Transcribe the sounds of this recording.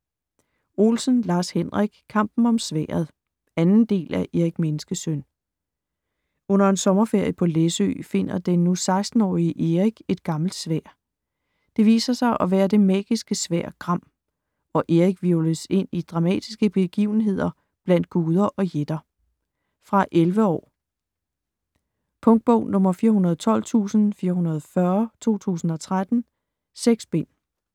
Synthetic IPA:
o̝lsənlɑ̈ːshenʁaɡ̥kʰɑ̈m̰b̥n̩ɒ̽msʋæ̰ːɐð̩ˠ | ænn̩d̥e̝̰ːlʔæʔe̝ʁiɡ̥menəsɡ̥əsøn | ɔ̽n̰ɐe̝nsɒ̽mɐfe̝ɐ̰jəpʰɒ̽lesø̰fe̝n̰ɐd̥enːusɑ̈ɪsd̥n̩ɒ̰ːiəʔe̝ʁiɡ̥e̝d̥̚ɡ̥ɑ̈ml̩d̥sʋæɐ̰ | d̥e̝ʋḭːsɐsɑ̈ɪʔɒ̽ʋæːɐd̥e̝mɛ̰ːɡ̥isɡ̥əsʋæɐ̰̥ɡ̥ʁɑ̈m̰ | ɒ̽ʔe̝ʁiɡ̥ʋiʊləse̝n̰id̥ʁɑ̈mɛ̰ːd̥isɡ̥əb̥e̝ɡ̥ḭʊn̩ɦe̝ð̞̰ˠɐ | b̥læn̰d̥̚ɡ̥uːð̞ˠɐʔɒ̽jed̥ɐ | fʁɑ̈ʔelʋəɒ̰ː | pʰɔ̽ŋɡ̥̚b̥ɔʊ̰nɔ̽mɐfiːɐɦunɐð̩ˠt͡sʰɒ̽l̰t͡sʰṵːsn̩fiːɐɦunɐð̞̩ˠfɶɐt͡sʰo̝̰ːt͡sʰṵːsn̩ɒ̽t͡sʰʁad̥n̩ | seɡ̥sb̥en̰

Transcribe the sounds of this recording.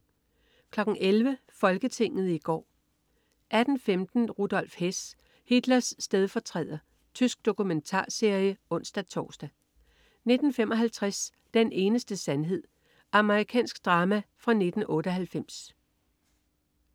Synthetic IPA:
kʰlɒ̽ɡ̥n̩ʔelʋə | fɒ̽lɡ̥ət͡sʰe̝ŋ̰ð̞̩ˠiɡ̥ɒ̰ː | ʔæd̥n̩femd̥n̩ʁud̥ɒ̽lfhes | hid̥lɐsːd̥eð̞ˠfɒt͡sʰʁɛ̰ð̰ˠɐ | t͡sʰysɡ̥̚d̥o̝kument͡sʰɑ̰̈ːse̝ɐ̰jəɔ̽n̰sd̥æt͡sʰɒ̰ːsd̥æ | ne̝d̥n̩fem̰ʔɒ̽ɦælt͡sʰʁas | d̥ene̝ːnəsd̥əsænɦe̝ð̞̰ˠ | ʔɑ̈məʁikʰɛ̰ːnsɡ̥d̥ʁɑ̈ːmæfʁɑ̈ne̝d̥n̩ʔɔ̽ːɾəɦælfem̰s

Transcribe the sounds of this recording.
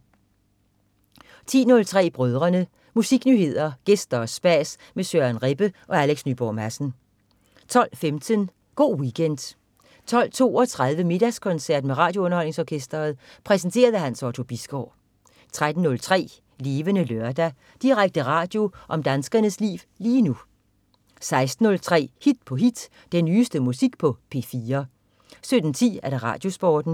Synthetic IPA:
t͡sʰḭːnɔ̽lt͡sʰʁɛ̰ːb̥ʁœð̞ˠʁɐnə | musiɡ̥nyːhe̝ð̞̰ˠɐɡ̥esd̥ɐːsb̥æs | mesøænʁeb̥əʔɒ̽æleɡ̥snyb̥ɒ̰mæsn̩ | t͡sʰɒ̽l̰femt͡sʰən | ɡ̥o̝̰ːwiɡʰend̥ | t͡sʰɒ̽l̰t͡sʰo̝̰ːɒ̽t͡sʰʁað̞ˠʋəme̝d̥æskʰɒ̽nsæɐ̰d̥meʁɑ̰̈ːd̥joɔ̽nɐhɒ̽l̰ne̝ŋsɒːkʰesd̥ɐːð̞̩ˠpʰʁɛsən̩t͡sʰe̝̰ːɐð̞ˠəɦænsɒt͡sʰo̝b̥isɡ̥ɒ̰ː | t͡sʰʁad̥n̩ːɔ̽lt͡sʰʁɛ̰ː | le̝ːʋənəløɐd̥æ | d̥iʁaɡ̥̚d̥əʁɑ̈ːd̥jo̝ʔɒ̽md̥ænsɡ̥ɐnəslḭːʋ | liːnu | sɑ̈ɪsd̥n̩ːɔ̽lt͡sʰʁɛ̰ːhid̥pʰɒ̽ɦid̥ | d̥enːyːsd̥əmusiɡ̥̚pʰɒ̽pʰe̝fiːɐ | sød̥n̩t͡sʰḭːæɐɾ̥ɑ̈ʁɑ̰̈ːd̥jo̝sb̥ɒ̰ːd̥n̩

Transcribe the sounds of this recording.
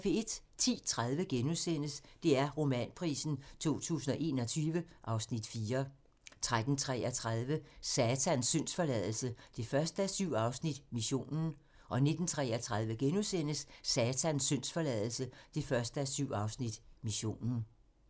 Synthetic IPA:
fee̝d̥t͡sʰḭːt͡sʰʁaðˠʋəɡ̥enuðˠsen̰əsd̥e̝æɐʁo̝mɛ̰npʰʁḭːsn̩t͡sʰo̝̰ːt͡sʰṵːsn̩ɒ̽ʔe̝̰ːnɒ̽t͡sʰyːʋəʔɑ̈ʊsnid̥fiːɐ | t͡sʰʁad̥n̩t͡sʰʁɛ̰ɒt͡sʰʁað̞ˠʋəsɛːt͡sʰænsːøn̰sfɒ̽lɛðˠl̩səd̥e̝fɶɐsd̥əæsyʊ̰ɑ̈ʊsnid̥miɕo̝̰ːnn̩ | ʔɒ̽ne̝d̥n̩t͡sʰʁɛ̰ːɐt͡sʰʁaðˠʋəɡ̥enusen̰əssɛːt͡sʰænsːøn̰sfɒ̽lɛð̰ˠl̩səd̥e̝fɶɐsd̥əæsyʊ̰ɑ̈ʊsnid̥miɕo̝̰ːnn̩

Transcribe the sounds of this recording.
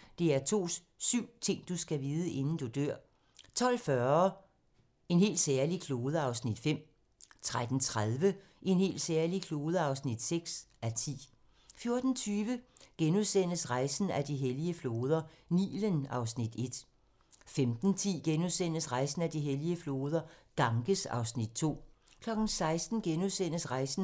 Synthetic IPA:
d̥e̝æɐt͡sʰo̝̰ː | syʊ̰t͡sʰe̝ŋ̰d̥usɡ̥æʋiːð̞ˠəʔe̝nn̩d̥ud̥øɐ̰ | t͡sʰɒ̽l̰fɶɐ | e̝nɦe̝̰ːld̥sæɐlikʰlo̝ːðˠəɑ̈ʊsnid̥fem̰ | t͡sʰʁad̥n̩t͡sʰʁað̞ˠʋə | ʔe̝nhe̝̰ːld̥sæːɐlikʰlo̝ːðˠəɑ̈ʊsnid̥seɡ̥sæt͡sʰḭː | fjo̝ɐd̥n̩t͡sʰyːʋəɡ̥enuðˠsen̰əsʁɑ̈ɪsn̩æd̥iɦeliəflo̝ːð̞ˠɐnḭːlənɑ̈ʊsnid̥e̝d̥ | femd̥n̩t͡sʰḭːɡ̥enuðˠsen̰əsʁɑ̈ɪsn̩æd̥iɦeliəflo̝ːð̞ˠɐɡ̥ɑ̈ŋɡ̥əsɑ̈ʊsnid̥̚t͡sʰo̝̰ːkʰlɒ̽ɡ̥n̩sɑ̈ɪsd̥n̩ɡ̥enuðˠsen̰əsʁɑ̈ɪsn̩

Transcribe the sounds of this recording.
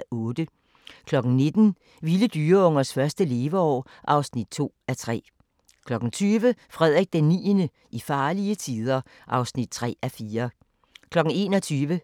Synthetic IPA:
ɔ̽ːd̥ə | kʰlɒ̽ɡ̥n̩ne̝d̥n̩ | ʋiləd̥yːɐɔ̽ŋ̰ɐsfɶɐsd̥əle̝ːʋɐɒ̰ː | ʔɑ̈ʊsnid̥̚t͡sʰo̝̰ːæt͡sʰʁɛ̰ː | kʰlɒ̽ɡ̥n̩t͡sʰyːʋəfʁɛð̞ˠʁɛɡ̥̚d̥enːḭːnə | ʔifɑ̈ːliət͡sʰiːð̞ˠɐ | ʔɑ̈ʊsnid̥̚t͡sʰʁɛ̰ːæfiːɐ | kʰlɒ̽ɡ̥n̩e̝ːnɒt͡sʰyːʋə

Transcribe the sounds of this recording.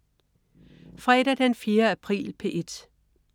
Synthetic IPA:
fʁɛɾ̥æd̥enfje̝ːɐæpʰʁḭːlpʰe̝ʔe̝d̥

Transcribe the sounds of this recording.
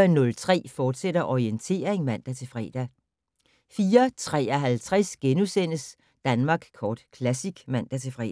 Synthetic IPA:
nːɔ̽lt͡sʰʁɛ̰ːfɒːd̥seɾ̥ɐʔɒient͡sʰe̝̰ːɐʁeŋmæn̰d̥æt͡sʰe̝fʁɛ̰ːd̥æ | fiːɐt͡sʰʁɛ̰ːɐɦælt͡sʰʁasɡ̥enusen̰əs | d̥ænmɑ̈ːɡ̥kʰɒːd̥kʰlæsiɡ̥mæn̰d̥æt͡sʰe̝fʁɛ̰ː

